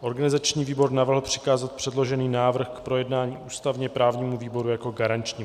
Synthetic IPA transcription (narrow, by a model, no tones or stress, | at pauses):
ʔo̞ɾɡanɪzat͡ʃɲiːviːbo̞ɾnavr̩ɦl̩pr̝̥ɪ̥kaːzat̪̚pr̥ɛdlo̞ʒɛniːnaːvr̩xkpɾo̞jɛdnaːɲiːʔuːst̪avɲɛpɾaːvɲiːmuviːbo̞ɾujako̞ɡaɾant͡ʃɲiː